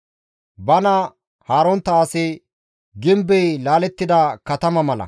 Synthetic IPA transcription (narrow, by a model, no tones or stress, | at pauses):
bɐnɐ | haːɾɔnt̪ːɐːsɪ | ɡɪmbɛjlaːlɛt̪ːɪd̪ɐkɐt̪ɐmɐmɐlɐ̰